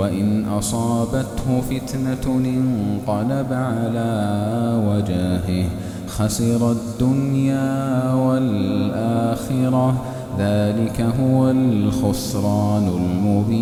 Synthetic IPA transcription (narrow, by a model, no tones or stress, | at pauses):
waʔɪnʔɑsˤɑːbat̪hʊfɪt̪naʔɪnqɑlabaʕalaːwad͡ʒaːɦɪh | xasɪɾˤad̪ːʊnjaːwalʔaːxɪɾˤɑ | ðaːlɪkaɦʊwalxʊsɾˤɑːnʊlmʊbiː